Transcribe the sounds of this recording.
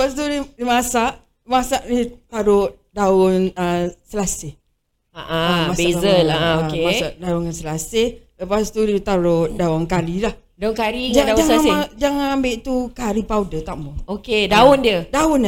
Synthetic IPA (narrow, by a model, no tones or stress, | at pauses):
ləpast̪uidimasaʔ | imasaʔnit̪aɾʊʔ | daʊnəsəlasɪh | aʔaamasbeazəaemasaʔdaʊnasəlasɪhləpast̪udit̪aɾʊʔdaʊnkaɾilah | daʊnkaɾid͡ʒad͡ʒaŋad͡ʒaŋambeʔt̪ukaɾipaudət̪aʔmuokedaʊndiədaʊn